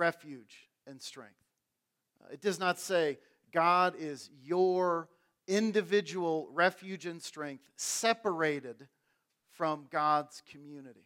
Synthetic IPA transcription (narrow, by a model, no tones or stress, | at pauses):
ɛfjʉd͡ʒ | ɨ̃nstɹ̥ɛ̰̃ŋk̚θ | ɨt̚d̥ʌznətseɪ | ɡ̥ɑɾɪzjə˞ | ɪ̃ndɨvɪd͡ʒəwl̩ˠɹɛfjʉd͡ʒɨ̃nstɹ̥ɛ̃ŋk̚θsɛpə˞eɪɾɪd̥ | fɹʌ̃mɡɑdz̥kʰɨmjʉnɨɾḭ